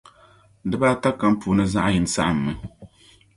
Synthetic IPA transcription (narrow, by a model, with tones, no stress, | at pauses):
dɨ˦baː˦ta˦ka˦m˦pʰuː˨nɨ˦za˦ʔji˨n˨sa̰˦ʔɨ˨m̩ːɨ˨